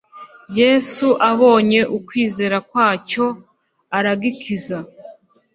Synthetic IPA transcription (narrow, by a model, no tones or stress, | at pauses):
je̞ːsuʔaβo̞ːɲe̞ʔukwiːze̞ːɾakwaːco̞ | aɾaɡikʰiza